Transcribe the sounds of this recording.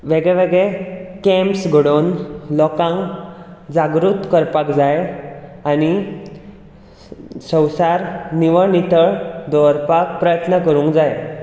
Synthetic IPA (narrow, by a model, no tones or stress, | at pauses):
ʋeɡɭɛʋeɡɭɛkɛ̃mpsɡʱəɽonlɔkãŋɡd͡zaɡɾut̪kəɾpakd͡zajañi | sə̃wsaɾniʋəniʈ̪əɭd̪ɔɾpak̚pɾəjət̪nəkəɾũŋkd͡zaj